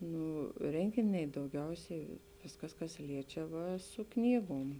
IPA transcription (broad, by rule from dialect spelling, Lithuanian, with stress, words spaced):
ˈnuː ˈrʲɛŋʲɡʲɪnʲɛɪ dɐʊˈɡʲɛʊsʲɛɪ ˈʋʲɪskɐs kɐs ˈlʲiɛt͡ʃʲɛ ˈʋɐ sʊ ˈknʲiːɡoːm